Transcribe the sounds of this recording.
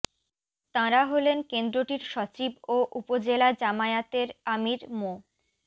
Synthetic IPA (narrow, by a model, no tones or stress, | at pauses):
t̪ãɾaɦolenkend̪ɾoʈiɾʃɔt͡ɕiboʔupod͡ʑelad͡ʑamaat̪eɾamiɾmo